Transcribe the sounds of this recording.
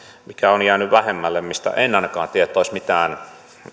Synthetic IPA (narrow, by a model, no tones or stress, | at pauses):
mikæonjæːnyʋʋæhemːælːemmist̪æ̰ʔenːɑˑnɑkɑ̰ːnt̪ieæet̪ːˑoˑismit̪æːn